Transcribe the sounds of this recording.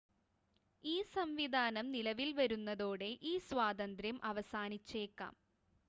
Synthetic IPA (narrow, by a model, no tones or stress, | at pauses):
iːsɐmʋid̪ʱaːnɐmnilɐʋilʋɐɾunːɐðo̞ːɽe̞ʔiːsʋaːd̪ɐnd̪ɾjɐmʔɐʋɐsaːnit͡ɕːe̞ːkːa̰ːm